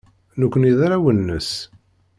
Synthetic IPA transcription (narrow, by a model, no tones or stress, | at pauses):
nukʷːəniðaɾawənːəs